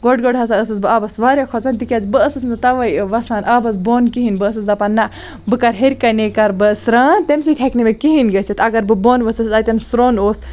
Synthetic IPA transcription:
ɡoɖɡoɖɦɐsaəsɨsbɨaːbɐsʋaːɾʲjakʰɔt͡sant̪ikʲɐzbɨəsɨsmd̪ɨt̪ɐʋɐjʋɐsaːnʔaːbɐsboːnkiɦinbɨːsɨsd̪ɐpɐnːɐ | bɨkɐɾɦeɾʲkɐnekɐɾbɨsɾaːnt̪emsit̪ʰeknimekiɦinɡɐsʰɐt̪ɐɡɐɾbɨboːnʋɐsɨszɐt̪ʲɐnsɾoːnoːs

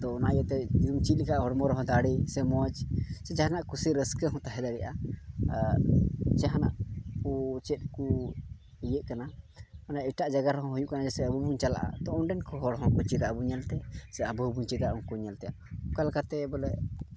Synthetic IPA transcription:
d̪ɔɔnajat̪ɛd͡ʒiɾumt͡ʃilikaʔɦɔɽmɔɾɔɦɔ̃d̪aɽisɛmɔt͡ʃsɛt͡ʃaɦanaʔkusiɾəskəɦɔ̃t̪aɦɛd̪aɽɛʔa | t͡ʃaɦanaʔput͡ʃɛt̪̚ku | ijəʔkanamanaʔiʈaʔd͡ʒaɡaɾɔɦɔ̃ɦujuʔkanad͡ʒɔsɛabubuɲt͡ʃala̰ʔa̰t̪ɔʔɔnɖɛnkɔɦɔɽɦɔ̃kut͡ʃid̪aʔbuɲalt̪ɛsɛabubuɲt͡ʃid̪aʔũŋkuɲalt̪ɛja | kalkat̪ɛbɔlɛʔ

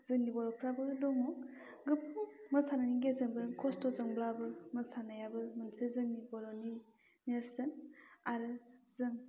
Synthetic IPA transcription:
z̥ɯnːibɔɾɔpʰɾabɯdɔŋɔ | ɡɯpʰɯŋmɯsananiɡezɯŋbɯkʰɔstɔzɯŋblabɯmɯsanajabɯmɯnsezɯnibɔɾɔni | neɾsɯnaɾɯzɯŋ

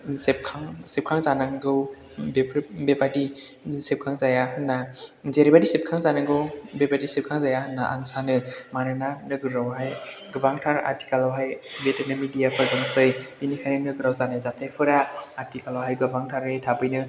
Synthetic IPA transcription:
sep̚kʰaŋsep̚kʰaŋzanaŋɡɯw | bebebadisep̚kʰaŋzajaɦɯnːazeɾibadisep̚kʰaŋzanaŋɡɯwbebadisep̚kʰaŋzajahɯnːaʔa̰ŋsanɯmanɯnanɯɡɯɾawɦaj | ɡɯbaŋtʰaɾa̰ti̥kalawɦajbetanɯmidijapʰɯɾdɔŋsɯjinikʰajnɯnɯɡɯɾawzanajzatʰajpʰɯɾaatikalawɦajɡɯbaŋtʰaɾetʰabɯjnɯ

